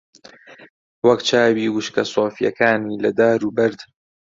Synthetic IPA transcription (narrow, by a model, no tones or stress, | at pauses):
wɐkt͡ʃʰaːbiːwuʃkɐsˤoːfijɐ̰kaːniːlɐd̪aːɾuːbɐɾd̪